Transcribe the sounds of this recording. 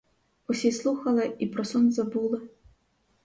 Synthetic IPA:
ɔsʲeslˠuxɐlˠɐipɾɔsɔnzabulˠɨ

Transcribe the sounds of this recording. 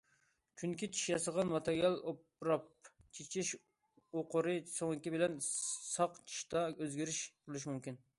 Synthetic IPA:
t͡ʃʰyŋkʲit͡ʃʰi̥ʃjɑsəʁɑnmɑt̪ʰeɾijɑlˠopɾɑp̚t͡ʃʰet͡ʃʰiʃ | oqʊɾɨsoŋkʲibɪlɛnsɑqt͡ʃʰi̥ʃt̪ɑøzɡʲiɾɪʃbolˠuʃ̬mymkʲin

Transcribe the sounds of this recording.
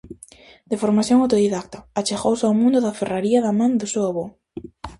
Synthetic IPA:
d̪efoɾmaθjoŋawt̪oðiðakt̪ɐat͡ʃeɣowsawmũnd̪ʊðaferaɾiaðamãnd̪ʊsewaβo

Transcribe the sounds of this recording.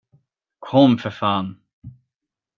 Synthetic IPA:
kʰɔmfəfaːn

